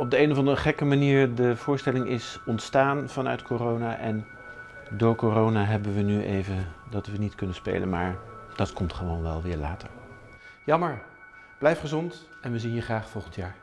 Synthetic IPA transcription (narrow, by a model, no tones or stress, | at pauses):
ɔb̚dəejnɔvɑndəəχɛkəmaniːɹdəv̥ʊːɹstɛlɪŋɪsɔntstaːnv̥ɑnœ̰ɥtkorownaʔɛn | dʊːɹkorownaːɦɛbənʋənyʔejvəndɑtʋənitkɵnənspḛjlə̰nmaːɹd̥ɑtkɔmtχəʋownʋɛ̰lˠʋɪːɹlaːtə̰ɹ | jɑməɹ | b̥lɛjfχəzɔnt | ɛnʋəzinɦiːɹχraːχfɔlˠχəntjaːɹ